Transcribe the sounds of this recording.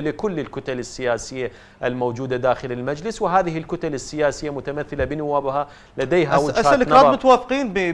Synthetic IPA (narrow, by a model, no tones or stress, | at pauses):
lɪkʊlːɪlkʊt̪alɪsːɪjaːsɪjːa | ʔɪlmowd͡ʒuːd̪ad̪aːxɪlɪlmad͡ʒlɪswɪɦaːðɪhɪlkʊt̪alɪsːɪjaːsɪjːamʊt̪amaθːɪlabɪnʊwːaːbha | lad̪ejɦawɪaːlknaːmʊt̪awaːfqiːnb